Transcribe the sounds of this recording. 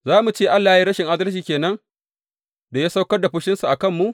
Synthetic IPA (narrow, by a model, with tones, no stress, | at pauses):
zaː˦mu˨t͡ʃeː˦˨ʔa˦lːaː˨ji˦ɾɐ˦ʃɪ˨ŋʔa˦dɐ˦lʃiː˨kʲeː˨nɐ˦ŋ | da˨jaː˦sa˦wkɐ˦rda˨ɸʊ˦ʃɪ˦nsu˨ʔa˨kɐ˦˨mːu˦ʔ